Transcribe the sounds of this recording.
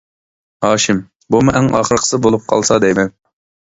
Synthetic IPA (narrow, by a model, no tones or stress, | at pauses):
hɑːʃɪm | bumuʔæŋɑ̰ːχəɾqʰə̥sɨbolˠup̚qʰɑ̰lˠsɑd̪ɛjmɛn